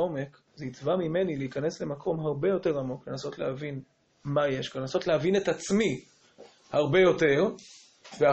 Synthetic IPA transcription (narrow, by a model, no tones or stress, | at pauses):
o̞me̞k | zeit͡svamime̞nileikane̞sle̞makʰo̞mɦaʁbe̞jo̞te̞ʁamo̞kle̞naso̞tlehavin | maje̞ʃkanlenaso̞tleavine̞tat͡smi | haʁbe̞jo̞te̞ʁ | vea